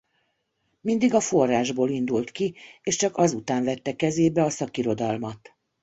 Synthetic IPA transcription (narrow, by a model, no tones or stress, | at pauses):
mind̪iɡɒfo̞rːaːʒboːlind̪ult̪kieːʃt͡ʃɒkɒzut̪aːɱvɛt̪ːɛkɛzeːbɛɒsɒkiɾo̞d̪ɒlmɒt̪